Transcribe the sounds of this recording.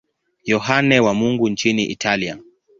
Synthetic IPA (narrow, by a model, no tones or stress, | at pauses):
jɔɦanɛwamuŋɡuɲt͡ʃiniʔḭtʰalia